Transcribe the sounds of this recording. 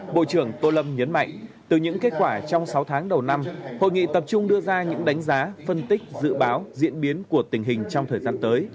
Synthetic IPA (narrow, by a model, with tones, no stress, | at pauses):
ɓo̰˧˨t͡ɕɨ˧˩əŋt̪o˧lə˧mɲə˨˦nma̰˧˨jŋ̟ | t̪ɨ˨˩ɲɨ̰˧˥ŋke˦˥t̚kwaː˧˩t͡ɕɔ˧wŋ͡msa˨˦wt̪ʰaː˨˦ŋɗə˨˩wna˧mho̰˧˨jŋḭ˧˨t̪ə˨˩p̚t͡ɕʊ˧ŋ͡mɗɨ˧əzaː˧ɲɨ̰˧˥ŋɗa˨˦jŋ̟zaː˨˦fə˧nt̪ï˦˥k̟̚zɨ̰˧˨ɓaː˨˦wzḭ˧˥ənɓi˨˦ənku˧˩ət̪ï˨˩ŋ̟ɦï˨˩ŋ̟t͡ɕɔ˧ŋ͡mt̪ʰəː˨˩jzaː˧nt̪əː˨˦j